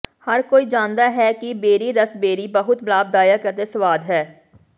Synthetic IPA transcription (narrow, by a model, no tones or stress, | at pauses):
hɐɾkoːiːd͡ʒãːnd̪aːɦɛːkibeːɾiɾəsbeːɾibəɦʊt̪blaːb̚d̪aːjakəɾt̪esəʋaːd̪ɦɛː